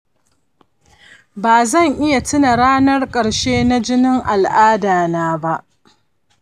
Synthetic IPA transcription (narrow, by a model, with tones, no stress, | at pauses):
baː˨zɐ˦˨ŋʔɪ˦ja˨tɪ˦na˨ɽaː˦nɐ˦rkʼɐ˨ɽʃeː˦na˦d͡ʒɪ˦nɪ˦ŋʔa˨lʔaː˦daː˨naː˦ba˦ʔ